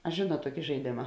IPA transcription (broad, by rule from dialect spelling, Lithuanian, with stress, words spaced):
ɐ ˈʒʲeːnuɔt ˈtuɔkʲɪ ʒɐɪˈdʲeːmɐ